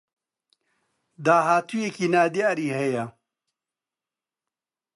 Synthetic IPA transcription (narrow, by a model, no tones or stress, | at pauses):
d̪aːɦaːt̪ʰujekiːnaːd̪ijaːɾiːɦɛjɐ